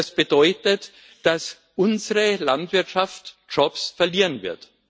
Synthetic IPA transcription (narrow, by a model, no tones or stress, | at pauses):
sb̥ədɔʏtət | d̥as | ʔʊnzəʁəlantv̥ɪɐtʃaft | d͡ʒ̥ɔpsfɛɐliːʁənvɪ̰ɐt